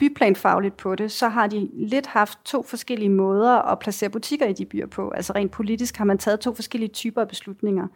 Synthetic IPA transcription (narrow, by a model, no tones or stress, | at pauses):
b̥ypʰlɛ̰ːnfɑ̈ʊlid̥̚pʰɒ̽ɾ̥e̝sɒ̽ɦɑ̈d̥ile̝d̥hɑ̈fd̥̚t͡sʰo̝̰ːfɒ̽sɡ̥el̰iəmɔ̽ːð̞ˠɐʔɒ̽pʰlæse̝̰ːɐb̥ut͡sʰiɡ̥ɐid̥ib̥y̰ːɐ̰pʰɔ̽ʔælsɐʁḛːn̥̚pʰo̝lid̥isɡ̥hɑ̈mænt͡sʰɛːð̞̩ˠt͡sʰo̝̰ːfɒ̽sɡ̥el̰iət͡sʰyːb̥ɐæb̥e̝slud̥ne̝ŋɐ